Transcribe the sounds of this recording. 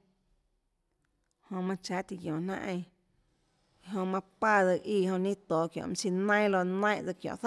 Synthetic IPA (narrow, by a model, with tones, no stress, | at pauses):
hõ˧mã˧t͡ʃa˨˧˦ʔt̪i˧ɡjõ˨n̥ã̰˦ʔẽ˧˨ | ɦõ˧mã˧kʷa˦˧˨d͡zɨ˧˨ʔiː˧˨hõ˧nĩ˦t̪oː˨kjõ̰˨ʔm˧si˧nə̃˦j̃lo˧nə̃˦ʔd͡zɨ˧kjõ̰˨ʔθə˦